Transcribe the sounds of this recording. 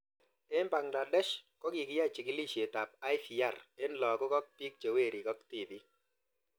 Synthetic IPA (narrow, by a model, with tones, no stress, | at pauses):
e˦nba˨ŋɡla˨dɛ˦ʃkɔ˦ki˨kɪ˦ja˦˨t͡ʃi˨kɪ˦li˦ʃje˨ta˨p̚a˦ɪ˦fi˨a˦˨re˦nlɔ˨kɔ˦kɔ˦k̚pi˦k̚t͡ʃe˨we˦˨ɾi˨kɔ˦kti˦˨di˦